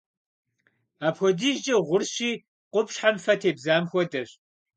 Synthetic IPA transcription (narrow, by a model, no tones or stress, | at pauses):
aːpxɔdiːʒd͡ʒɐʁʷʊrɕiː | qʷʊpɕħamfɐtʰeːbzaːmxʷɔdɐɕ